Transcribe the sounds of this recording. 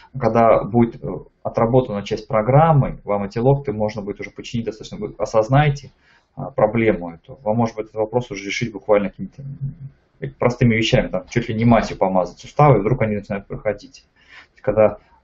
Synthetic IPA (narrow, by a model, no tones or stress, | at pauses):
kɐɡd̪abudʲɪt̪ə | ɐt̪ɾɐbo̞t̪ənət͡ɕæsʲtʲpɾɐɡɾamːɨvamɛtʲɪlˠo̞kt̪ɨmo̞ʐnəbudʲɪt̪ʊʐɛpət͡ɕːɪ̥nʲit̚ʲd̪st̪at̪t͡ɕɕʲnəvɨɐsɐznajtʲɪ | əpɾɐblʲe̞mʊɛt̪ʊvamːo̞ʐɨd̪bɨtʲɛət̪vɐpɾo̞sʊʐɛɾʲɪʂɨtʲbʊkvalʲnəkɐkʲimʲɪt̪ə | pɾʔɐst̪ɨmʲɪvʲɪɕːæmʲɪt̪amt͡ɕːot̪lʲɪnʲɪmasʲjʊpɐmazətʲsʊst̪avɨivd̪ɾukɐnʲinət͡ɕɪnajʊt̪̚pɾəxɐdʲitʲ | t̪oɪsʲtʲkɐɡd̪a